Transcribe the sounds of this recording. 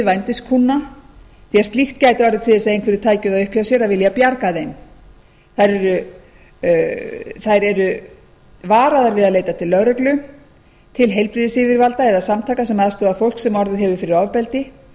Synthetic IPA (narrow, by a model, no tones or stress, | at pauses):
vajnt̪ɪst̪kʰunːa | θiast̪lixt̪caːjt̪ɪɔɾðɪt̪ʰɪlɛs̬ːaejnkvɛɾɪɾ̥t̪ʰaːjcʏðaðʏhpʰjasjɛɾavɪljapjaɾkaðejn | θajɾɛɾʏ | θajɾɛɾʏ | vaːɾaðaɾvɪðaðleːjt̪at̪ʰɪlːœɾœklʏ | t̪ʰɪlɦejlpɾɪðɪsɪːvɪɾvalt̪aɛðasamt̪ʰaːkasɛmaðst̪ʏːðafowl̥ksɛmɔɾðɪɦɛvʏfɪɾɪɾɔvpɛlt̪ɪ